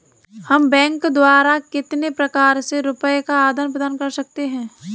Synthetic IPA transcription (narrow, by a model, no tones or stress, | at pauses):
hɐmbɛ̃ːŋkd̪waːɾakɪt̪nepɾɐkaːɾseɾʊpəekaaːd̪ənpɾəd̪aːnkɐɾsɐk̚t̪eɦɛ̃ː